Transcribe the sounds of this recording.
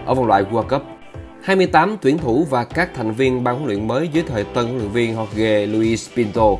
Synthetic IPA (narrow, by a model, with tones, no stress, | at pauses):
ʔəː˧˩və˨˧nlwa̰ː˧˨jɣu˧a˧kə˦˥p̚ | haː˧jmɨ˧əjt̪aː˨˦mt̪wi˧˩ənt̪ʰu˧˩vaː˨˩kaː˦˥k̚t̪ʰɛ˨˩jŋ̟vi˧ənɓaː˧ŋkaː˨˦lwḭ˧˨ənməː˨˦jzəː˨˦jt̪ʰəː˨˩jt̪ə˧nkːlwḭ˧˨ŋvi˧ənɦwa˦˥k̚ɣe˧lu˧i˧˦spi˧nt̪o˧